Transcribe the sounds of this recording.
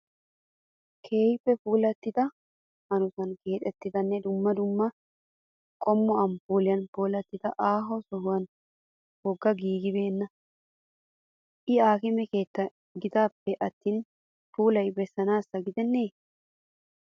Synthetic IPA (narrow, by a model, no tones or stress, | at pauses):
kʰe̞ːjpːɛfuːlɐt̪ːɪt̪ɐ | hɐnʊsɐnke̞ːᶑ̪ʼɛt̪ːɪt̪ɐnːɛd̪ʊmːɐd̪ʊmːɐ | kʼɔmːɔɐmpuːlɪjɐnpoːlɐt̪ːɪt̪ɐʔaːɦɔsɔhʊwɐn | wɔɡːɐɡiːɡɪbe̞ːnːɐ | ʔɪaːkɪmɛkeːt̪ːɐ | ɡɪt̪aːpːɛʔɐt̪ːiːn | fuːlɐjbɛsːɐnaːsːɐɡɪd̪ɛnːeː